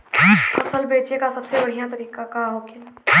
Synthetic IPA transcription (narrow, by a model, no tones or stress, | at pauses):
fɐsəlbeːt͡ʃekasɐbsebɐɽ̤ijãt̪ɐɾiːkakaɦoːkɪl